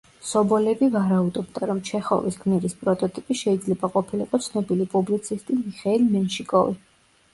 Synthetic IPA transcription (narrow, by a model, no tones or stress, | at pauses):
sɔbɔlɛbivaɾaud̪ɔbd̪aɾɔmt͡ʃʰɛχɔ̰visɡmɛɾispʼɾɔt̪ʼɔt̪ʼipʼiʃɛid̪zlɛbaqʼɔpʰiliqʼɔt̪sʰnɔbilipʼublit̪sʰist̪ʼimiχɛilmɛnʃikʼɔvi